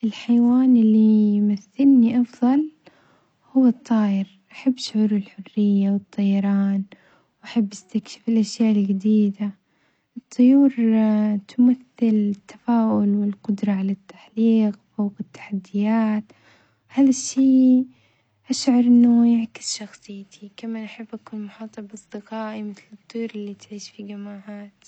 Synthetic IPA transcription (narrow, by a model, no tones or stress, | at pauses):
ʔɪlħajwaːnʔɪlːijmaθːɪlniʔɑfðˤɑl | hʊwːat̪ˤːɑːʔɪɾʔaħabːʃʕuːɾʊlħʊrːɪjːawɨt̪ˤːɑjɑɾˤɑːn | wʔaħabːʔɪst̪akʃɪ̥fɪlʔaʃjaːʔɪlɡad̪iːd̪a | ʔɨt̪ˤːʊjuːɾt̪ʊmaθːɪlɪt̪ːḁfaːʔʊlwɪlqʊd̪ɾˤɑʕalat̪ːaħliːqfowqɪt̪ːḁħad̪ːɪjaːt̪ | haːðaʃːiː | ʔaʃʕɑɾˤʔɪnːʊjɪʕkɪ̥sʃɑxsˤɨjːt̪ʰikamaːnʔaħabːʔakuːnmʊħɑːt̪ˤɑbʔɑsˤd̪ɪqaːʔimɪθlɨt̪ˤːujuːɾɪlːit̪ʕiːʃfiɡamːaːʕaːt̪